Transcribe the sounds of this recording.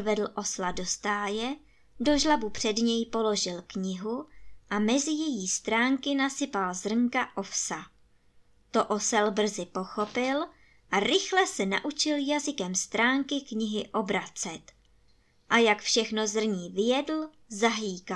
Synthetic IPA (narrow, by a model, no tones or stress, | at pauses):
vɛdl̩ʔo̞slado̞st̪aːjɛ | do̞ʒlabupr̝̥ɛdɲɛjpo̞lo̞ʒɪlkɲɪɦuʔamɛzɪjɛjiːst̪ɾaːŋkɪnasɪpalzr̩ŋkaʔofsa | t̪o̞ʔosɛlbr̩zɪpo̞xo̞pɪl | ʔaɾɪxlɛsɛna̰ʔut͡ʃɪljazɪkɛmst̪ɾaːŋkɪkɲɪɦɪʔo̞bɾat͡sɛt̪ | ʔajakfʃɛxno̞zr̩ɲiːvɪjɛdl̩ | zaɦliːka